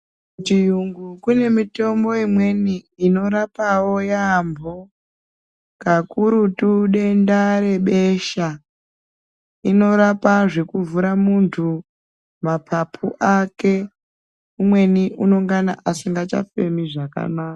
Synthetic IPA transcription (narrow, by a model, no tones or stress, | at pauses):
t͡ʃijuŋɡukune̞mito̞mbo̞imwe̞niino̞ɾapawo̞jambo̞ | kakuɾutuɗe̞ndaɾe̞ɓe̞ʃa | ino̞ɾapaʐe̞kuvuɾamuntʰu | mapʰapʰuʔake | umwe̞niʔuno̞ŋɡana̰ʔasiŋɡat͡ʃa̰fe̞miʐaka̰naːka